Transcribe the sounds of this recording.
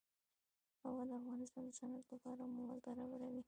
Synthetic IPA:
hawɑd̪əafɣɑnɪst̪ɑnd̪əsanad̪ləpɑɾamowazɡaɾawəɾawi

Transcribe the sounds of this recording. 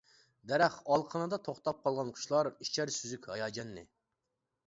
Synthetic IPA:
d̪ɛɾæχɑlˠqʰənɨd̪ɑt̪ʰoχt̪ɑp̚qʰɑlˠʁɑnqʰʊ̥ʃlˠɑɾit͡ʃʰæɾsyzykʲhɑjɑːd͡ʒɛnːɪ̰

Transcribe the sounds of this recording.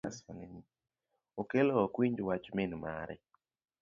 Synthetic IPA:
a̰sɔ̰neni | okelokwiɲd͡ʒwat͡ʃmɪnma̰ɾɛ̰

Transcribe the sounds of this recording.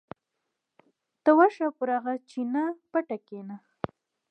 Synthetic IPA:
t̪awaʃapuɾaɣat͡ʃinapaʈakena

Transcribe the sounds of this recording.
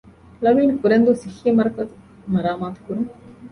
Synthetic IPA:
lɐmiːnkuɾend̪usiximɐɾkɐt̪ | nɐɾaːmaːt̪kuɾum

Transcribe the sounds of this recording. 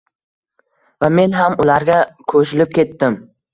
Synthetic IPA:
vame̞nɦamʊlaɾɡʲakʰɵʃɪlɪp̚kʲʰe̞t̪ːɪm

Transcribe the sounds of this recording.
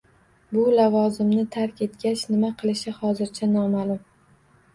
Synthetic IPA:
bʊlavɒzɪmnɪt̪ʰaɾkʲe̞t̪ɡʲat͡ʃnɪmaqʰɨlˠɪʃɪhɒzɪɾt͡ʃʰanɒmaːlˠʊm

